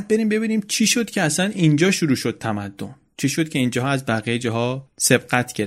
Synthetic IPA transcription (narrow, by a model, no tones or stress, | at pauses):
d̪̚be̞ɾiːmbe̞βiːniːmt͡ʃʰiːʃo̞d̪̥cʰeæsænind͡ʒɒːʃuɾuːʃo̞d̪̥̚t̪ʰæmæd̪ːo̞̰n | t͡ʃʰiʃo̞d̪̚cʰe̞ind͡ʒɒːɦæzbæɣijed͡ʒɒɦɒːse̞b̥̚ɢæt̪ʰɡeɾ